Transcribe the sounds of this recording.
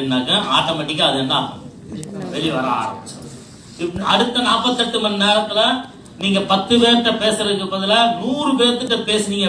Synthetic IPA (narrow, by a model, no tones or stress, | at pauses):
ɪnːaːkːɐ̃ʔaːʈːoːmɐʈːɪk̬ːɐɐðɯɛnd̪ãː | ʋɛɭiʋɐɾa̰ːɾɐ̰̃ | ɐɽɯt̪ːɐnaːpɐt̪ːɯɐʈːɯmɐnneːɾɐt̪ːɪlɐ | niːŋɡɐpɐt̪ːɯpeːɾʈ̪ːɐpeːsɐɾɐkːɯpːɐðɯlɐnuːɾɯpeːɾt̪ːɯʈːɐpeːsɯniːŋɡɐ